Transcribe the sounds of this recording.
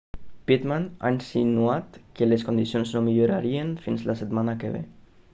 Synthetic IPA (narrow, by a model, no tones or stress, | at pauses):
pit̪mana̰insinuat̪keleskond̪isjonznomiʎoɾa̰ɾienfinslaset̪manakḛβḛ